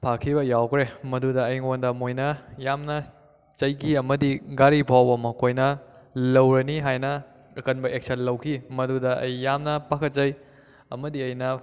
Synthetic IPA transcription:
pʰakʰiβɐjawkʰɾemɐdudɐːjŋondɐmojnɐjamnɐ | t͡ʃɐjkʰiɐmɐdiɡaɾipʰawbɐmɐkʰojnɐlɐwɾɐniɦajnɐ | ɐkɐnbɐʔek̚sɐnlɐwkʰimɐdudɐɐ̰jːamnɐpakʰɐt̚t͡ʃɐj | ɐmɐdiɐjnɐ

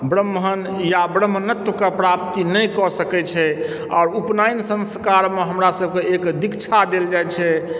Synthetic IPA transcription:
bɾəmːɦən | jabɾəmːənət̪wəkepɾap̚t̪inəjkɔsəkɛt͡ʃʰɛ | ɔ̰ːɾupnajnsə̃nskaɾmeɦəmɾasəbkeekd̪ikt͡ʃʰad̪eld͡ʒajt͡ʃʰɛ

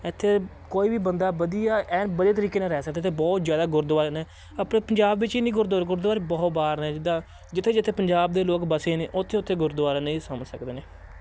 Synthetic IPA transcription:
ɪt̪ʰːeː | koːiːbiːbənd̪aːbəd̪ijaːɛːnbəd̪eːt̪əɾiːkeːnẽːɾɛːsək̚d̪eːt̪ʰeːbɔːt̪zjaːd̪aːɡʊɾd̪ʋaːɾːnɛː | əpɽeːpəɲd͡ʒaːbʋɪt͡ʃiːnĩːɡʊɾd̪aːɾɡʊɾd̪aːɾeːbɔːt̪baːɾnɛːd͡ʒɪd̪aː | d͡ʒɪt̪ʰːeːd͡ʒɪt̪ʰːeːpəɲd͡ʒaːb̚d̪eːloːkbəseːneːʔʊt̪ʰːeːʊt̪ʰːeːɡʊɾd̪ʋaːɾaːnəĩːsəmsəkd̪eːneː

